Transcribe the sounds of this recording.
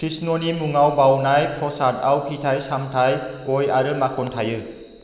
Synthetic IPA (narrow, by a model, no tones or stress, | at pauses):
kʰɾisnɔnimuŋawbawnajpʰɔsat̚awpʰitʰajsamtʰajkɔjaɾɯmakʰɔntʰajɯ